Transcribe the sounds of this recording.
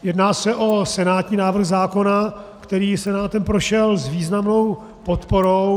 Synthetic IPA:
jɛdnaːsɛʔo̞sɛnaːt̪ɲiːnaːvr̩ɣzaːko̞na | kt̪ɛɾiːsɛnaːt̪ɛmpɾo̞ʃɛlzviːznamno̞w | po̞t̪po̞ɾow

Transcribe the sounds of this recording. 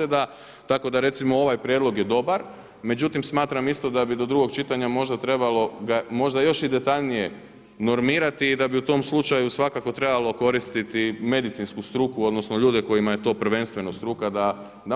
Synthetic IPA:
ed̪a | t̪ako̞d̪aɾe̞t̪simo̞o̞ʋajpɾʲje̞d̪lˠo̞ɡjed̪o̞baɾ | me̞d͡ʑut̪imsmaːt̪ɾamist̪o̞d̪abid̪o̞d̪ɾuɡo̞kt͡ʃit̪aɲamo̞ʒd̪at̪ɾe̞balo̞ɡamo̞ʒd̪ajo̞ʃid̪et̪aʎnije̞ | no̞ɾmiːɾat̪iːd̪abiut̪o̞mslˠut͡ʃajusʋakako̞t̪ɾe̞balo̞ko̞ɾist̪it̪ime̞d̪it̪sinskust̪ɾukuo̞d̪no̞snoʎuːd̪eko̞jimaje̞t̪o̞ːpɾ̩ʋe̞nst̪ʋe̞nost̪ɾukad̪a | d̪a

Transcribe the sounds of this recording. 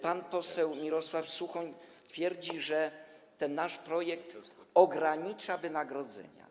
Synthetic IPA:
panpɔsɛwmʲiɾɔswafsuxɔɲt̪fʲjɛɾd͡ʑiʐɛt̪ɛnːaʂpɾɔjɛkt̪ɔɡɾaɲit͡ʂavɘnaɡɾɔd̪zɛ̰ɲa̰

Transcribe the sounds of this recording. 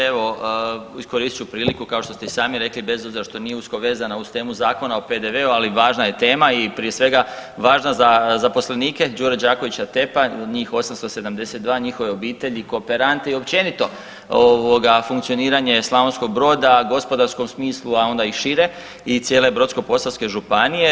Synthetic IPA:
eʋo̞isko̞ɾiːst̪i̥t͡ʃupɾiːlikukao̞ʃt̪o̞st̪esaːmiɾe̞klibe̞zo̞bziɾaʃt̪o̞nijeusko̞ʋe̞ːzanaust̪e̞ːmuzaːko̞naope̞d̪e̞ʋe̞ualiʋaːʒnaje̞t̪e̞ːmaipɾijesʋe̞ɡaʋaːʒnazazapo̞sleniːke̞d͡ʒuːɾad͡ʒaːkoʋit͡ɕat̪e̞padɲiːxo̞samst̪ose̞d̪amd̪e̞se̞t̪d̪ʋaːɲixo̞ʋe̞o̞biːt̪e̞ʎiko̞ːpe̞ɾant̪e̞io̞p̚t͡ɕe̞nit̪o̞ | oʋo̞ɡafuŋkt̪sio̞niːɾaɲe̞slˠaʋonsko̞ɡ̚bɾo̞ːd̪aɡo̞spo̞d̪aɾsko̞msmiːslˠuao̞nd̪aiʃiɾe̞ | it̪sjele̞bɾot̪sko̞po̞salske̞ʒupanije

